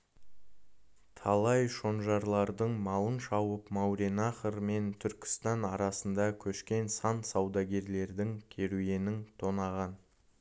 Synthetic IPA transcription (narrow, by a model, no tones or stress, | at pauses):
t̪ʰɑlˠɑjʃo̞nʒɑɾlˠɑɾd̪əɴmɑlˠənʃɑwəpmɑwɾenɑχəɾme̞nt̪ʰʏɾkʲɪ̥st̪ɑnɑɾɑsənd̪ɑkʲʰɵʃkʲe̞nsɑnsɑwd̪ɑɡʲe̞ɾle̞ɾd̪ɪŋkʲʰe̞ɾuje̞nɪŋt̪ʰo̞nɑʁɑn